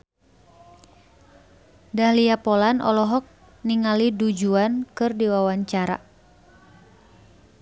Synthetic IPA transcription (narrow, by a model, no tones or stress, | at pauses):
dahliapɔlanʔɔ̰lɔɦɔk̚ | niŋalidud͡ʒuankɨrdiwawaɲt͡ʃaɾa̰